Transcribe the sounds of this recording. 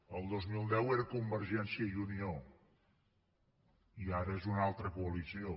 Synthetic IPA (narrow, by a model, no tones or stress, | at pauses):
əlˠd̪ozmilˠd̪ɛweɾəkumbəɾʒɛnsiəjunio | iaɾəezunalˠt̪ɾəkuəlisio